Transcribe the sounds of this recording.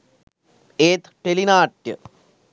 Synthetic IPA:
eːt̪ʈelinaːʈːɨ̰

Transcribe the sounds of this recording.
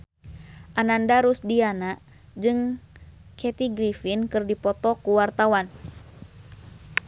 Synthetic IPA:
ʔanandaɾusdianaʔ | d͡ʒɨŋ | kʰɛt̪iɡɾifinkɨrdipɔt̪ɔkuwart̪awan

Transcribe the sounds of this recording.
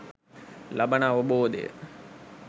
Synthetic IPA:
lɐbənaːʋəboːd̪ḛjə̰

